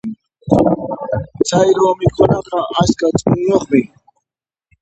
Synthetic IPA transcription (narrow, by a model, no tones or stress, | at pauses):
t͡sʰajɾoːmɪkʰʊnɑqɑʔaskat͡sʼʊnjoχmɪ